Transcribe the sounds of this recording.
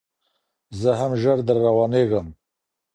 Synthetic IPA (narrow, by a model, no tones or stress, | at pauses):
zəɦamʒəɾd̪əɾːawɑneɣəm